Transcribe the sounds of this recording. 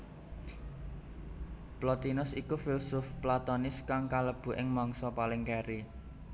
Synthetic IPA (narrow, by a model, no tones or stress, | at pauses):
plɔt̪inʊsikufilsʊfplat̪ɔnɪskaŋkaləb̥ṳʔɪŋmɔŋsɔpalɪŋkɛɾi